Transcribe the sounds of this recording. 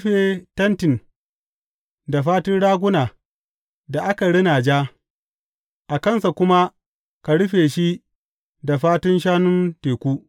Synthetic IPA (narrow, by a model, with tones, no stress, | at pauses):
ɸe˨tɐ˦ntɪ˨n | da˨ɸaː˦tʊ˦nɽaː˦ɡʷʊ˦naː˨ | da˨ʔa˦ka˨ɽɪ˦naː˨d͡ʒaː˦ | ʔa˨kɐ˦nsa˨kʷʊ˦ma˦ | ka˨ɽʊ˦ɸeː˨ʃi˦ | da˨ɸaː˦tʊ˦nʃ̬aː˦nʊ˦nteː˨kʷuː˦